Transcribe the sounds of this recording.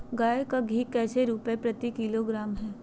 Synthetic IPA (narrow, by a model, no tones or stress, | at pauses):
ɡaːjekaɡʱikɛːseɾuːpepɾɐt̪ikiloɡɾaːmɦɛː